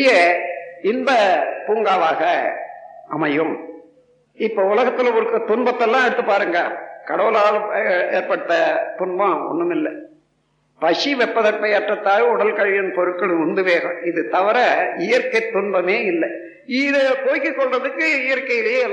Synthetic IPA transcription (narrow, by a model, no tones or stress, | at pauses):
jɐ | ɪnd̪ɐpuːŋɡaːʋaːɣɐ | ɐmɐjɯm | ɪpːoʊlɐɣɐt̪ːɪlɐʊɾɯkːɯt̪ːʊɳbɐt̪ːɛlːãːɛɽɯt̪ːɯpːaːɾɯŋɡɐkɐɽɐʋɯlaːleːɾpɐɽɯt̪ːɐt̪ʊɳbɐ̃ɔ̰ɳːɯmɪlːɐ | pɐʂiʋɛpːɐðɐpːɐjɐʈrɐt̪ːaːlʊɽɐlkɐɻɪjɪnpɔɾɯkːɐɭʊnd̪ɯʋeːɾɐ̰ɪðɯt̪ɐʋɐɾɐɪjɐɾkɐɪt̪ːʊɳbɐmeːɪlːɐ | ɪðɐkoːjkːɯkːɔɭrɐðɯkːɯɪjɐɾkːɐjɪlɐjelː